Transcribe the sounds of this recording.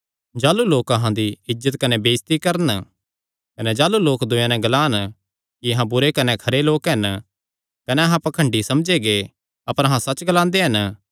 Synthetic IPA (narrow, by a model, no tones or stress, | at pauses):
d͡ʒaːluloːkɐɦãd̪iɪd͡ʒət̪kɐnebeːst̪ikɐɾn | kɐned͡ʒaːluloːkd̪ʊjãnɛ̃ɡlaːn | kiɐɦãbʊɾekɐnekʰɐɾeloːkɦɐn | kɐneɐɦãpɐkʰə̃ɳɖisɐmd͡ʒeɡe | ɐpəɾɐɦãsɐt͡ʃɡɐlãːnd̪eɦɐn